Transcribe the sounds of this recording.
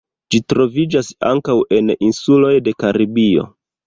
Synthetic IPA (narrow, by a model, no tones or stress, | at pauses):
d͡ʒitɾo̞vid͡ʒasa̰ŋkawʔe̞ninsulo̞jde̞kaɾibio̞̰